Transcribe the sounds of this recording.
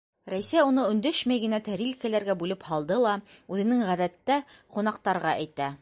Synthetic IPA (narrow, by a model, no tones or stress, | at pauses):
ɾæjsæjunɤɵ̆nd̪ɵʃmæjɡɘ̆næt̪æɾilkælæɾɡæbʉlɘphɑlˠd̪ɤlˠɑʉðɘ̆nɘŋʁæðæt̪ːæqun̪ɑqt̪ɑɾʁɑʔæjt̪æ